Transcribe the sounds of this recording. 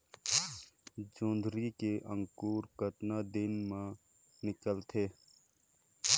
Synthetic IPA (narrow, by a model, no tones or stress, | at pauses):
d͡ʒõːnd̪ʱɾikeʔə̃ŋkuːɾkət̪nad̪ɪnmã | nɪkəlt̪ʰeː